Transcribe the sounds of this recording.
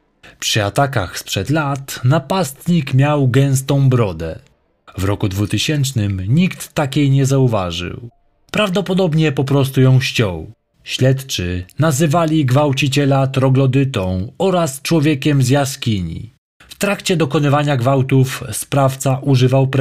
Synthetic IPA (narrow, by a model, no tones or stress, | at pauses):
pʂɘat̪aka̰xspʂɛd̪lat̪napast̪ɲikmʲjawɡɛ̃w̃st̪ɔ̃w̃bɾɔd̪ɛ̰ | vɾɔkud̪vut̪ɘɕɛnt͡ʂnɘmɲikt̪ːakʲejɲɛzauva̰ʐɨ̰w | pɾavd̪ɔpɔd̪ɔbɲɛpɔpɾɔs̬t̪ujɔ̃w̃ɕt͡ɕɔ̰̃w | ɕlɛt̪t͡ʂɘnazɘvalʲiɡvawt͡ɕit͡ɕɛlat̪ɾɔɡlɔd̪ɘt̪ɔ̃w̃ɔɾast͡ʂwɔvʲjɛkʲɛmzjaskʲiɲḭ | ft̪ɾakt͡ɕɛd̪ɔkɔnɘvaɲaɡvawt̪ufspɾaft̪saʔuʐɘvawpɾ